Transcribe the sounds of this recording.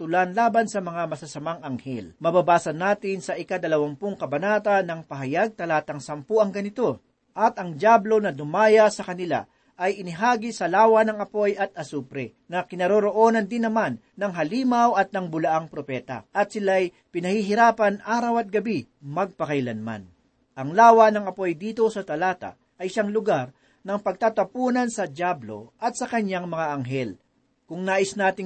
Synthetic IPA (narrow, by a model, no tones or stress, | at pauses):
t̪ʊlanlaːbɐnsɐmɐŋamɐsasɐmaŋɐŋhɛ̰lmɐbabaːsɐnːaːt̪ɪnsɐʔɪkad̪ɐlɐwɐmpʊŋkɐbɐnaːt̪ɐnɐŋpɐɦɐjaɡ̚t̪ɐlaːt̪ɐŋsɐmpuʔɐŋɡɐnɪt̪o̞ | ʔɐt̪ɐŋd͡ʒablo̞nɐd̪ʊmaːjɐsɐkɐnɪla̰ | ʔɐjɪnɪɦaːɡɪsɐlaːwɐnɐŋɐpo̞jɐt̪̚ʔɐsuːpɾɛ | nɐkɪnɐɾoɾoʔo̞ːnɐnd̪ɪnːɐmanːɐŋɦɐliːmɐwɐt̪̚nɐŋbʊlɐʔaŋpɾopɛːt̪ɐ̰ʔɐt̪sɪlaɐj | pɪnɐhiɦɪɾaːpɐnʔaːɾɐwɐt̪̚ɡɐbi | mɐɡ̚pɐkɐjlɐnma̰n | ʔɐŋlaːwɐnɐŋɐpo̞jd̪iːt̪o̞sɐt̪ɐlaːt̪a̰ | ʔɐjʃaŋlʊɡaɾ | nɐŋpɐɡ̚t̪at̪ɐpuːnɐnsɐd̪jablo̞̰ʔɐt̪̚sɐkɐɲaŋmɐŋaʔɐŋɦɛl | kʊŋnaːʔɪsnaːt̪ɪŋ